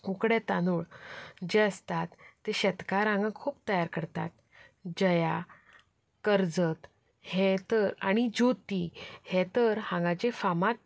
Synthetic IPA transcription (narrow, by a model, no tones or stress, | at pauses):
ukɽɛt̪anuːɭd͡ʑeəst̪at̪ːeɕət̪kaɾãŋɡãkʰuːp̚t̪əjaɾkəɾt̪a̰t̪̚ | d͡ʑəja | kəɾd͡zət̪ | hɛ̃t̪əɾaɽ̃id͡ʑot̪ihɛt̪əɾhãŋɡãt͡ɕefamak̚